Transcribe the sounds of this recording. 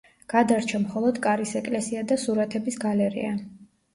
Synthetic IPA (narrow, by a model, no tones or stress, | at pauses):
ɡ̥ad̪aɾt͡ʃʰamχɔlˠɔd̪kʼaɾisɛkʼlɛsiad̪asuɾat̪ʰɛbisɡalɛɾḭa